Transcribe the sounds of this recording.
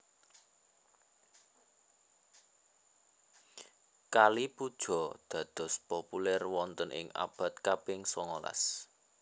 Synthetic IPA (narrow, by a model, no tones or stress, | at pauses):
kalipud̥ʒ̥ɔ̤d̪̥ä̤d̪̥ɔ̤spopulɛrwɔnt̪ənʔɪ̰ŋa̰b̥a̤t̪̚kapɪŋsɔŋola̰s